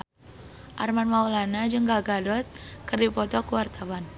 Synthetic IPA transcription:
ʔarmanmaulanad͡ʒɨŋɡaɡadɔt̪̚kərdipɔt̪ɔkuwart̪awan

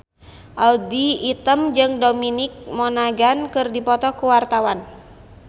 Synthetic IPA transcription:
ʔaldiːt̪əmd͡ʒɨŋdominik̚mɔnaɡankɨrdipɔt̪ɔkuwart̪awan

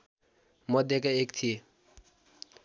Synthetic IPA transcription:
mʌd̪jekaekt̪ʰije

